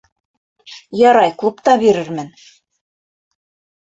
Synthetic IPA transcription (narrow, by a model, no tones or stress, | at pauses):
jɑɾɑjklˠupt̪ɑbiɾɘɾmɘn